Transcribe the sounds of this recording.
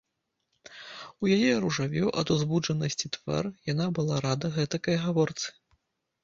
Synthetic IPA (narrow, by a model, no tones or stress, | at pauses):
ujajɛɾuʐavʲuʔɐ̰d̪uzbud͡ʐɐnɐsʲt͡sʲit̪va̰rjanabɨlˠaɾad̪ɐɣɛt̪ɐkɐjɐɣavɔrt̪sɨ̥